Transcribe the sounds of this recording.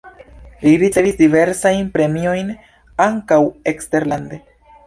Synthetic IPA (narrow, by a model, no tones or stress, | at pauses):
liɾit͡se̞visdive̞ɾsajnpɾe̞mio̞jn | aŋkawe̞kste̞ɾlande̞